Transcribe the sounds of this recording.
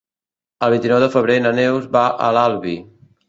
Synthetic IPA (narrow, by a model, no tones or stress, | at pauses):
əlˠβint̪inɔwðəfəβɾenənewzβaʔə̰lalˠβi